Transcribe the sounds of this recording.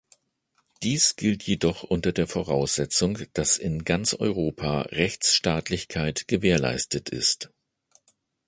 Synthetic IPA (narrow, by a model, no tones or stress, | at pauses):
d̥iːsɡ̥ɪltʰjedɔχʔʊntɐdeːɐfoʁaʊsz̥ɛt͡sʊŋd̥asɪnɡant͡sʔɔ̰ʏʁ̞oːpʰa̰ːʁɛçt͡sʃtaːtʰlɪçkʰaɪtɡ̥əveːɐla̰ɪstətʰɪ̰st